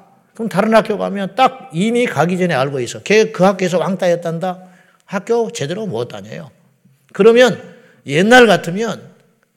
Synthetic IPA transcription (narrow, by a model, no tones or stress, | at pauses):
kɯtaɾɯnɦakjoɡɦamjʌnt͈ak̚imikaɡid͡ʑeneaɭɡois͈ʌkekɯɦak͈oes̬ʰʌwaŋt͈ajʌt͈anda | hak͈̚jot͡ɕe̞deɾomoʌt͈a̰ɲḛjo | kɯɾʌmjʌn | jenːaɭɡatʰɯmjʌn